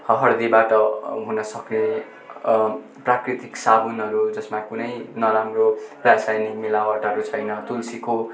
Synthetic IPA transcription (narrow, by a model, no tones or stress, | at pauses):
hʌɦʌrd̪ibaʈʌɦunʌsʌkne | prakrit̪iksabunɦʌɾud͡zʌsmakunʌjnʌɾamrobasajnimilawaʈʌʌɾut͡sʰʌjnʌt̪ulsiko